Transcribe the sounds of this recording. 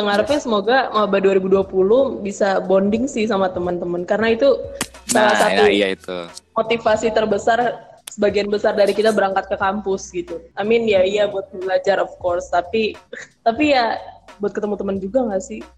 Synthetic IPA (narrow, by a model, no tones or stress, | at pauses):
təŋaɾfasəmoɡaŋabaduaɾibuduapulʊhbisabondɪŋsɪhsamat̪əmənt̪əmənkaɾənait̪usalasat̪ut̪umot̪ifasit̪ərbəsarsəbaɡianbəsardaɾikit̪abəɾaŋkat̪̚kəkampʊsɡit̪uamɪnjaijabuat̪̚əbəlad͡ʒaɾɔfkɔrst̪apit̪apijabuat̪kət̪əmut̪əmənd͡ʒuɡaŋɡasɪh